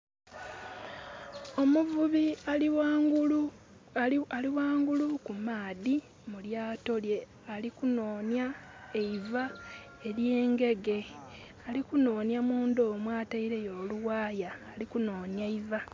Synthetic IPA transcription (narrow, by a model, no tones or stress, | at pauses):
o̞muvuβiaɡu | aliwaːŋɡulukumaːði | muljaːto̞lje̞ | alikunoːnjaeiva | e̞lje̞ːŋɡe̞ɡe̞ | alikuno̞ːnjamuːndoːmwaːtaiɾe̞jo̞ːluwaːjaːlikuno̞ːnjaiva